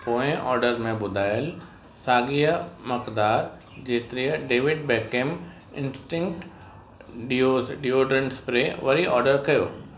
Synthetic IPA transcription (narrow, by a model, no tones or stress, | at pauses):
poːɪ̃ʔɔːɾɖəɾmẽbʊd̪ʱaːjəl | saːɡiːjəmɐkd̪aːɾ | d͡ʑeːt̪ɪɾijəɖeːʋɪɖ̚bɛːkeːm | ɪ̃nsʈɪ̃ŋkʈ | ɖioɖioɖɾə̃ɳʈspɾeʋɐɾiʔɔːɾɖəɾkɐjo̰ː